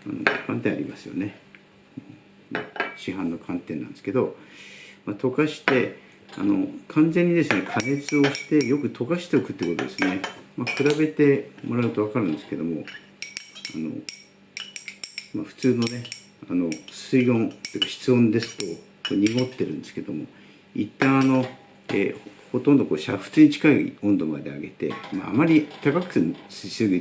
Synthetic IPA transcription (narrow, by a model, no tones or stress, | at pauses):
a̰no̰kʰãnt̪ẽa̰ɾʲḭmasɨjo̞̰ne | o | maɕiɦãnːo̞kʰãnt̪ẽ̞nã̰nd̪e̞sɨ̥ke̞d̪o̞ | mat̪o̞kaɕi̥t̪e̞ | a̰no̞̰kʰãnd͡zẽ̞ɲ̟ːid̪e̞sɨne̞kʰane̞t͡sɨo̞ɕi̥t̪e̞jo̞kɯ̟t̪ʰo̞kaɕi̥t̪eokɯ̟t̪ːeiko̞t̪o̞d̪e̞sɨne̞makɯ̟ɾabe̞t̪e̞mo̞ɾaɯ̟t̪oakaɾɯ̟̃nd̪e̞sɨ̥ke̞d̪o̞mo̞ | a̰no̞̰ | maɸɯ̟̥t͡sɨːno̞ne̞ | ano̞sɨiõ̞nt̪ekaçi̥t͡sɨõ̞nd̪e̞sɨ̥t̪o̞ | koɲ̟iŋo̞t̪ːe̞ɾɯ̟̃nd̪e̞sɨ̥ked̪o̞mo̞̰ | it̪ːãɰ̃ano̞ | ḛː | ho̞t̪õnd̪o̞ko̞ːɕaɸɯ̟̥t͡sɨːɲ̟it͡ɕi̥kaḭõnd̪o̞ma̰d̪e̞a̰ɡe̞t̪e̞̰ma̰a̰maɾʲit̪akakɯ̟̥ssɨɡɯ̟